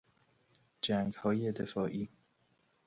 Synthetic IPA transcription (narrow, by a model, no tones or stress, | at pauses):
d͡ʒæŋɡhɒːjed̪efɒːʔiː